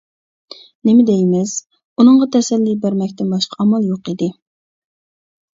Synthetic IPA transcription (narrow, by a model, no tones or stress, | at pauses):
nɪmɪd̪ɛjmɪs | unɨɴʁɑt̪ʰɛsɛlːibæɾmɛkʲt̪ɪnbɑʃqʰɑɑmɑlˠjoqid̪ɪ